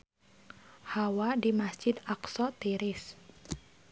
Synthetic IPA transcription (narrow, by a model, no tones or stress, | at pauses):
hawadimasd͡ʒɪd̪aksɔt̪iɾɪs